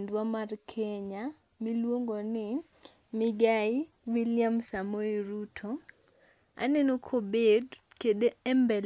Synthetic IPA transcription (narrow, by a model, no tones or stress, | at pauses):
ndwamarkʰeɲa | milwoŋɡonɪ | mɪɡaɪ | wilɪjamsamoiɾutʰo | a̰nenokʰobed | kedeɛmbɛl